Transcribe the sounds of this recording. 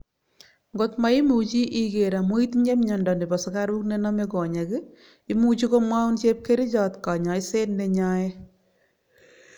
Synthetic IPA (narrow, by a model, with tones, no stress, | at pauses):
ŋɡo˦tma˦i˦mu˨t͡ʃi˦ʔi˦ke˨ɾa˨mo˦i˦tɲe˦mɲɔ˨ndɔ˨nde˨pɔ˨sɔkaɾu˦kne˦nɔ˦me˦kɔ˨ɲa˨kɪ | i˦mu˦t͡ʃi˦ko˦mwa˦u˦nt͡ʃe˦p̚ke˦ɾi˦t͡ʃɔ˦tka˨ɲa˨jse˦nːe˦ɲa˦je˦